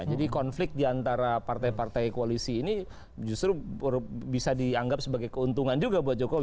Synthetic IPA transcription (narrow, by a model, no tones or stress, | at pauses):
d͡ʒadikɔnflɪk̚t̪̚diant̪aɾapart̪ajpart̪ajkoalisiːni | d͡ʒust̪ɾu | bisadiaŋɡap̚səbaɡajkəunt̪uŋand͡ʒuɡabuat̪̚d͡ʒokow